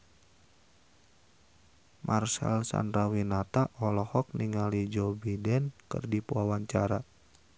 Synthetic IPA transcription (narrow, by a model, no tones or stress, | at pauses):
mʔarsa̰lsa̰ndɾawinat̪aʔɔlɔhɔk̚niŋalid͡ʒɔbidɛnkə̰rdipuawaɲt͡ʃaɾa